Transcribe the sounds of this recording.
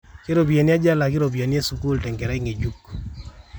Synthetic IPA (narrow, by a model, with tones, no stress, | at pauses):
ke˦ɾo˨bi˨a˨nja˦d͡ʒa˦la˨kɪ˦ɾo˨bi˨a˨nje˦su˨ku˦ltɛ˨ŋɡɛ˨ɾa˦ɪ˦ŋe˨d͡ʒu˦k